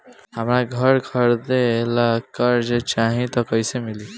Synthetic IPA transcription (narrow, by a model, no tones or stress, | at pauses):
ɦəmɾaɡʱʌɾɡʱʌɾd̪elakəɾd͡ʒet͡ʃaɦĩt̪ʌkəjsemili